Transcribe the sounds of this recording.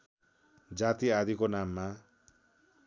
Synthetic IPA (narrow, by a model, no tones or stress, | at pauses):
d͡zat̪iad̪ikonamːa